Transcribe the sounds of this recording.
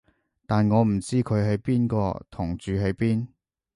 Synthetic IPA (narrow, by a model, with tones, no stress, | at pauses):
t̪aː˨nŋɔː˨˧m̩˨˩t͡siː˥kʰɵ˨˧ɥɦɐ˨˧jpiː˥nkɔ̰ː˧t̪ʰʊ˨˩ŋt͡ʃyː˨˧ɦe˨˧˥jpiː˥n